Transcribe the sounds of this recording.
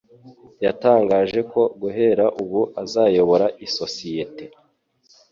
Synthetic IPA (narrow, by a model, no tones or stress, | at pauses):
jataːŋɡaːʒe̞ko̞ɡuɦe̞ɾaʔuβuʔazaːjo̞βo̞ɾaʔiso̞sijete̞